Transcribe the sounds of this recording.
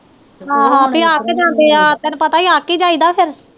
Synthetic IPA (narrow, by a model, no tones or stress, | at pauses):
ɦãːɦãːbiaːked͡ʒãːnd̪eːaːt̪ɛnupət̪aːiːaːkiːd͡ʒaːiːd̪aːpʰɪɾ